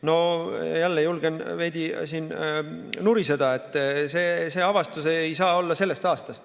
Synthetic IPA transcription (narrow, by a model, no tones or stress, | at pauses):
no̞jælːejulɡ̥e̞nve̞jd̪isiːn | nuɾise̞d̪ɑe̞t̪ˑːse̞ːse̞ːɑvɑst̪useejsɑːo̞lːɑse̞lːe̞st̪ɑːst̪ɑst̪